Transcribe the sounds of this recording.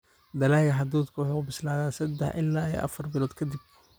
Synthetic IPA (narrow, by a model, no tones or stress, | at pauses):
d̪ɐlaːɣɐħɑd̪uːd̪kʰʊwʊħuʊbɪslaːðaːnsɐd̪ɛħʔɪlːaːijɔ̰ʔɐ̰fɐrbɪlɔːd̪kʰɐd̪ɪb̚